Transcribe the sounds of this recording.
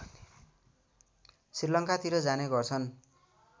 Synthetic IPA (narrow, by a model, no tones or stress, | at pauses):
srirlʌŋkat̪iɾʌd͡zaneɡʌrt͡sʰʌn